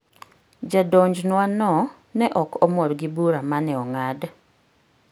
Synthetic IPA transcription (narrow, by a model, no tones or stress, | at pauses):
d͡ʒadɔɲd͡ʒnwanɔ | nɛʔɔkɔmɔrɡɪbuɾamanɛɔŋad